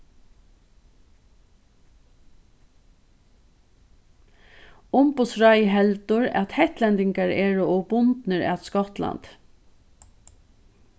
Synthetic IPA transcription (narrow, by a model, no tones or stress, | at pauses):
ʊmpʊt̪sɹajɦɛlt̪ʊɹɛ̰t̪hɛht̪lɛnt̪ɪŋkaɹeːɹʊɔbʊnt̪nəɹæ̰t̪skɔt̪la̰nt̪